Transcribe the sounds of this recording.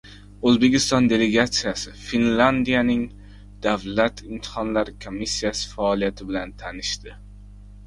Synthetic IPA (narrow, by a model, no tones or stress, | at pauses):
ɵzbe̞kʲɪst̪ɒnd̪e̞le̞ɡat̪sɨjasɪfinland̪ijanɪŋ | d̪̥avlat̪ʰɪmt̪ʰɪ̥hɒnlaɾɪkʰomːisːijasɪ̥faɒlijat̪ʰɪbɪlant̪ʰanɪʃt̪ɪ